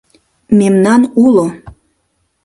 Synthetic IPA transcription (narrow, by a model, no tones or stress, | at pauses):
memnɑnulo